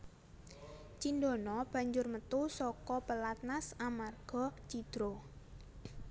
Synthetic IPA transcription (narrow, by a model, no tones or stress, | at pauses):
t͡ʃindonɔb̥a̤ɲd͡ʒʊrmət̪usɔkɔpəlat̪̚nasamarɡ̥ɔ̤t͡ʃid̪̥ɾo